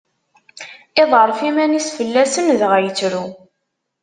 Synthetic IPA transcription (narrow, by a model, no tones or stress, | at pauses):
ɪðˤəɾˤfimænisfəlːæsənðʁæjət͡sːɾu